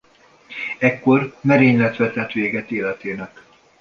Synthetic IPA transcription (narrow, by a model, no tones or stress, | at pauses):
ɛkːo̞rmɛɾeːɲlɛt̪ʋɛt̪ɛt̪ʋeːɡɛt̪eːlɛt̪eːnɛk